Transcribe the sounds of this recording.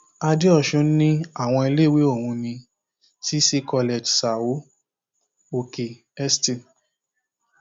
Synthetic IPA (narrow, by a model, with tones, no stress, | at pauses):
a˧di˦ɔ˧˨ʃũ˨˧˦n̩˦nĩ˦a˦˨w̃ɔ̃˧i˧le˦˨we˦o˦˨wũ˧nĩ˧ | si˦si˦kɔ˧le˨d͡ʒsa˨wo˨˦ | o˨ke˨ | ɛ˦sti˨